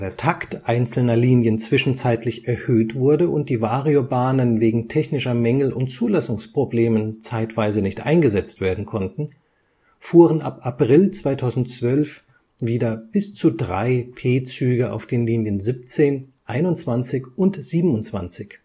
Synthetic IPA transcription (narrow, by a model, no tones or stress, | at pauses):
deːɐtʰaktʔaɪnt͡sl̩nɐliːnjənt͡sv̥ɪʃn̩t͡saɪtʰlɪçʔɛɐhøːtv̥ʊɐdəʔʊnt̚d̥iːvaːʁiobaːnənveːɡŋ̩tʰɛçnɪʃɐmɛŋl̩ʔʊntt͡suːlasʊŋspʁ̥obleːmənt͡saɪtv̥aɪzənɪçtʔa̰ɪnɡəzɛt͡stv̥eːɐdn̩kʰɔntn̩ | fuːʁənʔa̰papʁ̥ɪlt͡sv̥aɪtʰaʊzn̩tt͡sv̥œlf | viːdɐb̥ɪst͡sudʁa̰ɪpʰeːt͡syːɡəʔa̰ʊfd̥eːnliːnjənzɪp̚t͡seːnʔaɪnʊnt͡sv̥ant͡sɪçʔʊntz̥iːbm̩ʊnt͡sv̥a̰nt͡sɪç